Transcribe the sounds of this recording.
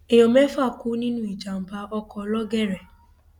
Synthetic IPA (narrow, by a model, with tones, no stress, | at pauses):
e˨jɔ̃˨mɛ˦fa˦˨ku˨˦nĩ˦nũ˦i˨d͡ʒa˨m̩˨˦ba˧ɔ˧kɔ˨˦lɔ˦ɡɛ˦˨ɾɛ˨